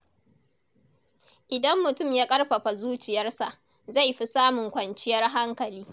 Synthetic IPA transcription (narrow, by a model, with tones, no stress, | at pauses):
ʔɪ˨dɐ˦mːʊ˨tʊ˦˨mjaː˦kʼɐ˦rɸɐ˨ɸa˨zuː˦t͡ʃɪ˨jɐ˦rsa˨ʔ | za˦˨jɸi˦saː˦mʊ˨ŋkʷɐ˨nt͡ʃɪ˦jɐ˦rɦa˦ŋkɐ˨liː˦